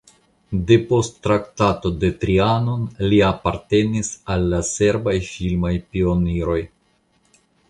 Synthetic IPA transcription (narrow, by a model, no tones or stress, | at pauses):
de̞po̞sttːɾaktato̞de̞tɾiano̞nliapaɾte̞nisalːase̞ɾbajfilmajpio̞niɾo̞j